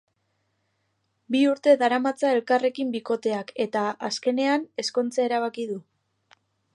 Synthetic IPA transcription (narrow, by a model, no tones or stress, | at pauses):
biuɾt̪e̞ðaɾamat͡sae̞lkare̞kimbiko̞t̪e̞ake̞t̪aaske̞ne̞ane̞sko̞nt͡sae̞ɾaβ̞akiðu